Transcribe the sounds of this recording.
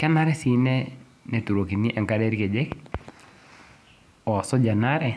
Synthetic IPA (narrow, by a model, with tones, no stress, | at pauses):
ka˦na˦ɾɛsinɛ | nɛ˨tu˨ɾo˨ki˨ni˦ʔɛ˨ŋkaɾɛɾi˦kɛd͡ʒɛk | ɔ˨sɔd͡ʒa˨naɾɛ˨